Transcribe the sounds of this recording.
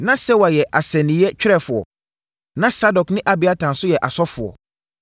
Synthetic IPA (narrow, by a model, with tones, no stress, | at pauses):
nã˦sɛ˦wa˨jɛ˨ʔa˨sɛ̃˨nɪ̃˨˦ɛ˦t͡ɕᶣɪ˦ɾɛ˦˨fʊ˨ɔ̰˨ | nã˦sa˦dɔ˨knɪ̃˦ʔa˨bɪ˨a˦tʰã˨n̩˨sʊ˦jɛ˨ʔa˨sɔ˦fʊ˨ɔ̰˨